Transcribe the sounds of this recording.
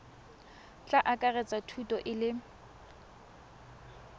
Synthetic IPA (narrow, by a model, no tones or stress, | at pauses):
t͡ɬʼaʔakʼarɛt͡sʼatʰutʼɔʔɪlɪ